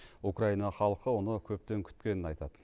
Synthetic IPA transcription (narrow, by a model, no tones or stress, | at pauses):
ukraijnɑχɑlˠqəwonəkʲʰɵp̚t̪e̞ŋkʲʰʏ̥t̪kʲe̞nɪnɑjt̪ɑd̪ə